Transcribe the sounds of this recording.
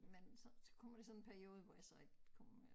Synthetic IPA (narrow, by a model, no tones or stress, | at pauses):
mensɒ̽sɒ̥̽kʰɒ̽m̰ʋɐd̥esɒ̽nnpʰæɐio̝ːð̞̩ˠʋɒjasɒ̽eɡ̥kʰɒm